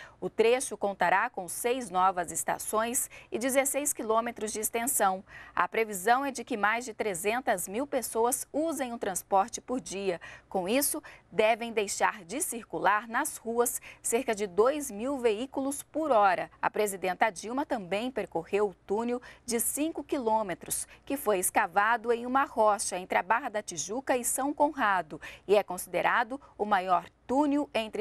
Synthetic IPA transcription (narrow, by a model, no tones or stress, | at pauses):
ʊt̪ɾeʃʊkõnt̪aɾakõsejznɔvɐzest̪a̰sõj̃sɪd͡ʒɪzesejskilõmet̪ɾʊzd͡ʒɪːst̪ẽsɐ̃w̃ɐ̰pɾevizɐ̃w̃ɛd͡ʒɪkɪmajzd͡ʒɪt̪ɾezẽnt̪ɐzmiwpesoɐzuzẽj̃ʊt̪ɾɐ̃spɔɾt͡ʃɪpʊɾd͡ʒiɐkõw̃isʊd̪ɛvẽj̃d̪ejʃaɾd͡ʒɪsiɾkulaɾnɐshuɐsːeɾkɐd͡ʒɪd̪ojzmiwveikulʊspʊɾɔɾɐɐpɾezid̪ẽnt̪ɐɐd͡ʒiwmɐt̪ɐ̃mbẽj̃peɾkohewʊt̪ũniwd͡ʒɪsĩŋkʊkilõmet̪ɾʊskɪfojɪskavad̪ʊẽj̃ũmɐhɔʃɐẽnt̪ɾɪɐbaɦɐd̪ɐt͡ʃiʒukɐɪsɐ̃w̃kõɦad̪ʊɪɛkõsid̪eɾʔad̪ʊʊmajɔɾt̪ũniwẽnt̪ɾɪ